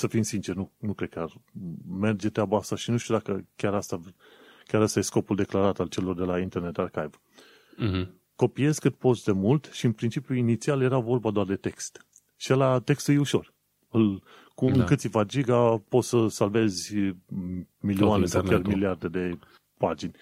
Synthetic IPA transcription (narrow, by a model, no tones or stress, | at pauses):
səfinsint͡ʃernunukɾe̞d̪̚kʲarme̞rd͡ʒet̪ɾeabaast̪aʃinuʃt̪ud̪akəkʲaɾast̪a | kʲaɾast̪ajesko̞puld̪e̞klaɾat̪alt͡ʃe̞lo̞rd̪e̞laint̪erne̞t̪arkajv | ko̞pije̞zkɨt̪̚po̞t̪sd̪e̞mult̪ʃiɨnpɾint͡ʃipjuinit̪sialje̞ɾavo̞rbad̪oard̪e̞t̪e̞kst̪ | ʃielat̪e̞kst̪ujuʃo̞r | ɨl | kuɨŋkɨt̪sʲivad͡ʒiɡapo̞t̪səsalve̞zʲ | milioanesawkʲarmiliard̪e̞d̪e̞ | pad͡ʒinʲ